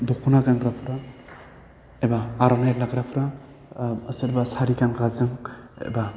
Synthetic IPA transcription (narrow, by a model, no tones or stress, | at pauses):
d̪ukʰunaɡanbɾapʰɾa | ebaːɾanajɾlaɡɾapʰɾa | əseɾbasaɾikankazɯŋḛba